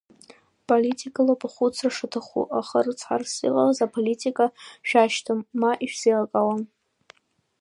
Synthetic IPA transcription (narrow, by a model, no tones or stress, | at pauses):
pʼolitʰikʼalopʼaχʷut͡sʰraʂɨtʰaχṵʔaχərt͡sʰħa̰rsḭqʼa̰lazapʰolitʰʼikʼaʃᶣaʃtʰɨmːaʔiʃᶣsiakʼawan